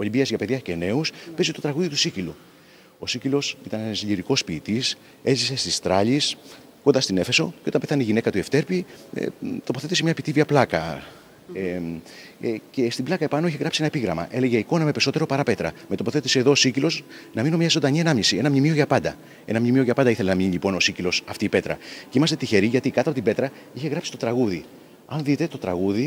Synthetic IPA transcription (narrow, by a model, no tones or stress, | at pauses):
oʎimbiɐzʝɐpe̞ðʝɐce̞ne̞uspe̞zit̪o̞t̪ɾɐɣuðit̪u̥sicilu | o̞sicilo̞sit̪ɐnenzʎiɾiko̞spiːt̪is | e̞zise̞st̪ist̪ɾɐʎis | ko̞nd̪ɐst̪ine̞fe̞so̞ceo̞t̪ɐmpeθɐneiʝine̞kɐt̪ue̞ft̪e̞ɾpiḛt̪o̞po̞θet̪ise̞mɲɐpit̪iviɐplɐkɐ | e | ce̞st̪iblɐkɐepɐnoiçeɣɾɐpsienɐepiɣɾɐmɐ̰ʔe̞le̞ʝeiko̞nɐmepeɾiso̞t̪e̞ɾo̞pɐɾɐpe̞t̪ɾɐ̰me̞t̪o̞poθe̞t̪iseːðoːsicilo̞snɐmino̞mɲɐzod̪ɐɲiɐnɐmɲisienɐmɲimio̞ʝɐpɐnd̪ɐ | e̞̰nɐmɲimioʝɐpɐnd̪iθele̞nɐmɲiɲilipo̞no̞sicilo̞sɐft̪iːpe̞t̪ɾɐ̰ceimɐst̪et̪içe̞ɾiʝɐt̪ikɐt̪oɐpot̪ibe̞t̪ɾɐ | içe̞ɣɐpsi̥t̪ot̪ɾɐɣuði | ɐnðit̪e̞t̪o̞t̪ɾɐɣuði